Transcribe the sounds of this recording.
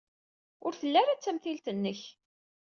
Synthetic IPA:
ʊɾθəlːæɾat͡sːæmθilt̪ənːəç

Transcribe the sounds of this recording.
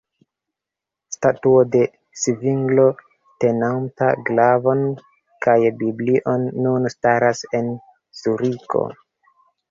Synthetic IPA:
statuode̞ | sviŋɡlo̞ | te̞nanta̰ɡlavo̞n | kajbibliʔo̞nːunstaɾase̞n | zuɾikʰo̞̰

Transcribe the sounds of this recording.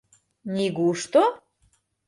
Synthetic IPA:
niɣuʃt̪o

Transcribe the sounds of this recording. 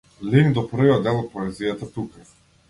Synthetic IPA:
liŋd̪ɔprɾ̩viad̪ɛlˠɔt̪̚pɔɛzijat̪at̪uka

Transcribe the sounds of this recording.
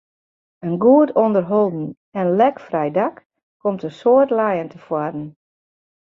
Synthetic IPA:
ənɡuətondərɦolˠdn̩ | ɛnlɛkfrɛjdak | kɔmtəsoətlajəntʰəfwadən̩

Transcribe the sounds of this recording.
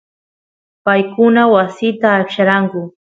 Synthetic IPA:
pajkʊnawasɪt̪aːkʃaɾaŋkʊ

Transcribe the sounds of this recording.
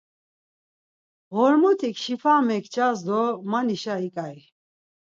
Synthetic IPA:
ʁɔɾmɔt̪ʰikʰʃipʰamɛkʰt͡ʃʼazd̪ɔmaniʃaikʼaj

